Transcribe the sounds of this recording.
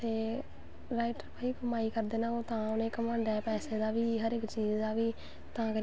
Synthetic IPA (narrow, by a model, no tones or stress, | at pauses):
t̪eː | ɾaːɪʈəɾpaːiːkəmaːiːkəɾd̪eːnãːoːt̪ãːʊnẽːkəmãːɳɖɛːpɛːseːd̪aːʋiːɦəɾɪkt͡ʃiːd͡ʒd̪aːʋiː | t̪ãːkə